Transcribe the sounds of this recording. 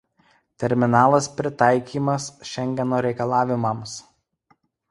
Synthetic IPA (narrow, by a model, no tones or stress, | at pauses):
t̪ʲɛɾʲmʲɪnɑːlˠɐspʲɾʲɪt̪ɑɪkʲiːmɐsʃʲɛŋʲɡʲɛnoːɾʲɛɪkɐlˠɑːʋʲɪmɐms